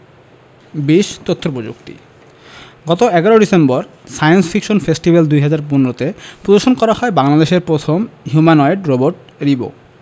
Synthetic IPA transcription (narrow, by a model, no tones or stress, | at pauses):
biʃt̪ot̪ʰːopod͡ʑṵkt̪ḭ | ɡɔt̪oɛɡaɾoɖisembɔɾ | sajonsfʰikʃonfesʈibald̪ujɦad͡ʑaɾpunɾot̪epɾod̪oʃonkɔɾahɔebaŋlad̪eʃeɾpɾot̪ʰomɦjumanɔeɖɾoboɾʈ | ɾibo̰